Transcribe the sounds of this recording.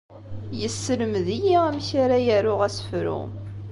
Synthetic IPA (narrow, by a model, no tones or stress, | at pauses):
jəsːələmðijiæmçaɾajæɾʊʁæsfɾʊ̰